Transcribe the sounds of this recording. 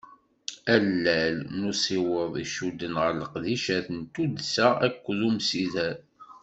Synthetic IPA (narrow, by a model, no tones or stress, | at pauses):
ælːælnusˤiwəðˤiʃud̪ːənʁəɾləqðiʃæθənt̪ud̪sæækʷːəðumsiðæɾ